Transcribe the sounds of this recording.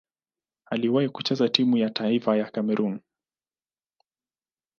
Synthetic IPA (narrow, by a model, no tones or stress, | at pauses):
aliwaikut͡ʃɛzatimujataifajakamɛɾʔun